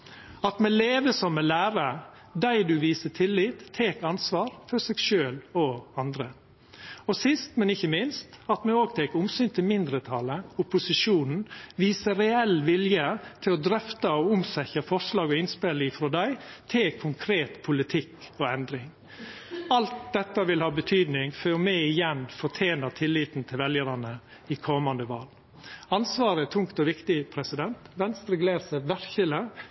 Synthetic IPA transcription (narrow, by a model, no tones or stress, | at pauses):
ɑt̪mɛleːʋəsɔmːɛlæːɾə | d̪æɪd̪ʉʋiːsət̪ʰɪlːiːt̪ʰːeːkɑnsʋɑːɾfɔsɛɡʃøːlɔɑnd̪ɾə | ɔsɪst̪mɛnɪçːəmɪnst̪ɑt̪mɛoːɡt̪ʰeːkʊmsyːnt̪ʰɪlmɪnd̪ɾət̪ʰɑləʊpʊsɪʂuːnn̩ʋiːsəɾɛɛlʋɪljət̪ʰɪlɔd̪ɾœft̪əɔʊmsɛçəfɔʂlɑːɡɔɪnspelifɾɔd̪æɪt̪ʰɪlkʰʊŋkʰɾeːt̪pʰʊlɪt̪ʰɪkːɔɛnd̪ɾɪŋ | ɑlt̪̚d̪ɛt̪ːɑʋɪlhɑːbət̪ʰyːd̪nɪŋføːɾmæɪɪjɛnfɔt̪ʰeːnət̪ʰɪlːiːt̪n̩t̪ʰɪlʋɛljəɾɑnə | ɪkʰɔmɑnd̪əʋɑ̰ːl | ɑnsʋɑːɾət̪ʰʊŋkt̪ɔʋɪkt̪ɪpʰɾɛsɪd̪ɛnt̪ʋɛnst̪ɾɛɡleːɾsəʋæɾçələ